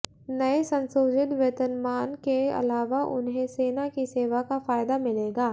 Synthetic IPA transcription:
nɐesɐ̃nsoːd͡ʒɪt̪ʋɐt̪ənmaːnkeɐ̰laːʋaʔʊ̰nɦẽseːnakiseːʋakafaːjd̪amɪleːɡaː

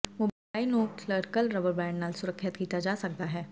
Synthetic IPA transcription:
ʋob | aːinoːkʰləɾkəlɾɐʋəɾbɛ̃ːɳɖnaːlsʊɾəkʰːət̪kiːt̪ad͡ʒaːsɐk̚d̪aɦɛː

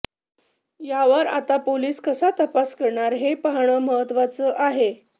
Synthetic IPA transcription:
jaʋəɾa̰t̪apoliːskəsat̪əpaskəɾɳaɾɦepaɦɳ̃əməɦət̪ːʋat͡səːʔaɦe

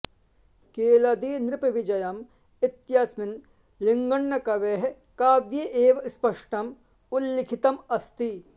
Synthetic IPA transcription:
keːlɐd̪iːnɾɪpʋid͡ʒɐjɐm | ɪt̪jasmɪn | lɪŋɡɐɳːɐkɐʋeɦ | kaːʋjeʔeːʋspɐʂʈɐm | ʊlːɪkʰit̪ɐmɐst̪i

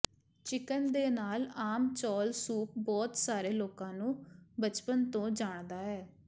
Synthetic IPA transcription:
t͡ʃɪkənd̪eːnaːlaːmt͡ʃɔːlsuːp̚bɔːt̪saːɾeːloːkãːnũːbət͡ʃpənt̪õːd͡ʒaːɳd̪aːɦɛː

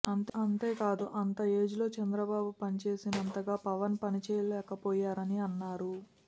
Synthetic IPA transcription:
ɐnt̪ɐnt̪e̞ːkaːd̪uʔɐnt̪ɐe̞ːd͡ʒulo̞ːt͡ʃɛnd̪ɾɐbaːbupɐnit͡ʃe̞ːsinɐnt̪ɐɡaːpɐʋɐnpɐnit͡ʃɛːjɐlɛːkɐpoːjaːɾɐniɐnːaːɾu

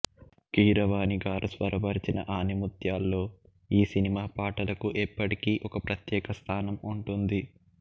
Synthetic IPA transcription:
kiːɾɐʋaːniɡaːɾɐsʋɐɾɐʋɐɾit͡ʃinɐ̰ʔaːnimut̪jaːlːo̞ː | iːsinimaːpaːʈɐlɐkuʔɛpːɐʈikiːʔɔkɐpɾɐt̪jɛːkɐst̪ʰaːnɐmuɳʈund̪i

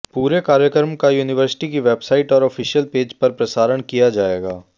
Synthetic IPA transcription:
puːɾekaːɾjəkəɾmkajuːnɪʋəɾsɪ̥ʈikiʋeːbsaːɪʈɔːɾɔːfʰɪʃijəlpeːd͡ʒpɐɾpɾɐsaːɾəɳ̃kijad͡ʒaːeːɡaː

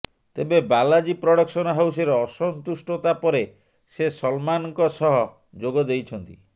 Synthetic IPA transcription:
t̪ebebalad͡ʒipɾɔɽɔksɔnɔɦawseɾɔɔsɔnt̪usʈɔt̪apɔɾe | sesɔlmanɔŋkɔsɔɦɔ | d͡ʒoɡɔd̪ejt͡ʃʰɔnt̪i

